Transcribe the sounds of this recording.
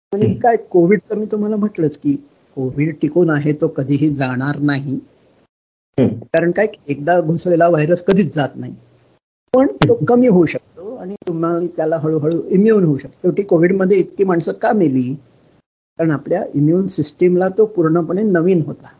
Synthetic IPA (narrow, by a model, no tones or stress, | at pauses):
aɽ̃ikajkoʋiɽt͡səmiːt̪um̤alam̤ət̪lət͡ski | koʋiːɖʈikuːnaɦet̪okəd̪ʱiːɦiːd͡zaɽ̃aɾnaɦi | kaɾəɳkajek̚d̪aɡʱoslelaʋajɾəskəd̪ʱiːt͡sd͡zat̪naɦi | pəɳt̪okəmiːɦouɕək̚t̪oaɽ̃it̪um̤ait̪jalaɦəɭuɦəɭuːimjuːnɦouɕək̚t̪ot̪oʈiːkoʋiːɽməd̪ʱjeit̪kiːmaɳsəːkameliː | kaɾəɳapljaimjuːnsisʈemlat̪opuɾɳəpəɳenəʋiːnɦot̪a